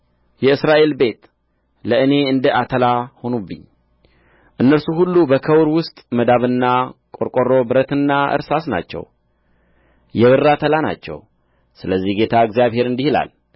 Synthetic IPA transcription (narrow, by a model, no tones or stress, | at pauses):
jɛɨsɾaʔe̞lbe̞t̪ | ləɨne̞ɨnd̪əat̪ʰəlaho̞nubːɨ̰ɲː | ʔɨnːəɾsuhulːubəkʰəwɾwʊst̪ʼməd̪aβɨnːakʼo̞ɾkʼo̞ɾo̞bɨɾət̪ɨnːaɨ̰ɾsasna̰t͡ʃːɛ̰w | jɛβɨrːat̪ʰəlana̰t͡ʃːɛ̰w | sɨləzːihɡe̞t̪ʰaɨɡzijaβhe̞ɾɨnd̪ihila̰l